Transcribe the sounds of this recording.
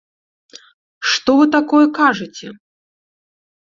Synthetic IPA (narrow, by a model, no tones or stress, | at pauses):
ʂt̪ɔvɨt̪akɔjɛkaʐɨt͡sʲɛ